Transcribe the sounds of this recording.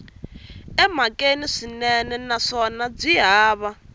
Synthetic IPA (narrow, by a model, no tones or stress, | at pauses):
ɛmakʼeniʂinɛnɛnaʂɔnab͡ʐiɦaːβa